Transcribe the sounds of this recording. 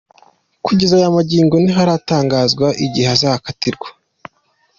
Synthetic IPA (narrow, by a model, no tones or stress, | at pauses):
kuɟezajamaɟiːŋɡo̞niɦaɾataːŋɡaːzɡwaʔiɟiheazaːhakatiɾɡwḁ